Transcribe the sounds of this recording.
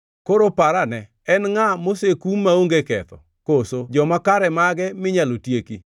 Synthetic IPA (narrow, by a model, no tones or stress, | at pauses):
koɾopaɾanɛ | ɛnŋamosekumːaoŋɡekɛt̪ɔ̰ | kosod͡ʒɔmakaɾɛmaɡɛmɪɲalotjeki